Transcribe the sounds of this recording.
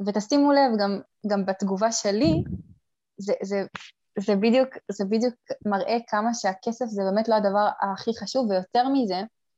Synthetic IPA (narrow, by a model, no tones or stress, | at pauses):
vet̪astimule̞vɡam | ɡambat̪ɡuvaʃe̞li | zeze | zebid̪jukzebid̪juk̚maʁʔe̞kʰamaʃeake̞se̞fzebe̞metloadavaʁa̰ːχiχaʃuvːejo̞te̞ʁmize̞